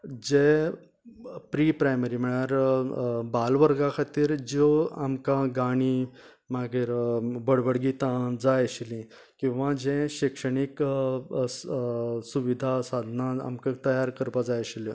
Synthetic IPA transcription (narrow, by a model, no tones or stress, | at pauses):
d͡ʑe | pɾipɾajməɾim̤əɭaɾ | balʋəɾɡãkʰat̪iːɾd͡ʑoamkãɡaɽ̃i | maɡeɾbəɽbəɽɡit̪ãd͡zajɕilĩ | kĩw̃ʋãd͡ʑẽɕikʂəɳ̃ik | suʋid̪ʱasad̪ʱnaa̰mkãt̪əjaɾkəɾpad͡zajɕile